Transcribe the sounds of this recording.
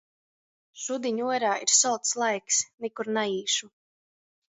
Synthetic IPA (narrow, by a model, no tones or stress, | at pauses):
ʃud̪iɲuɔɾaːiɾsɔlˠt̪slˠajksnikuɾnaiːʃu